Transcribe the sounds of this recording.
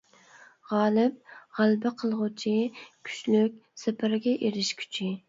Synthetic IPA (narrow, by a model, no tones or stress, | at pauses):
ʁɑːlˠɪp̚ʁælˠbɪqʰəlˠʁʊt͡ʃʰɪkʲʰy̥ʃlyk̚ʲsɪpʰɪɾɡʲɛʔeɾɪʃkʲʰy̥t͡ʃʰɪ